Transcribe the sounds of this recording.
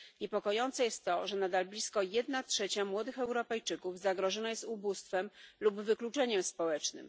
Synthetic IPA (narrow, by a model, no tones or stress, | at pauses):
ɲɛpɔkɔjɔnt̪sɛjɛst̪ːɔʐɛnad̪alblʲiskɔjɛd̪natʂɛt͡ɕamwɔd̪ɘxɛwɾɔpɛjt͡ʂɘkuvzaɡɾɔʐɔnajɛst̪ubust̪fɛmlubvɘklut͡ʂɛɲɛmspɔwɛt͡ʂnɘ̰m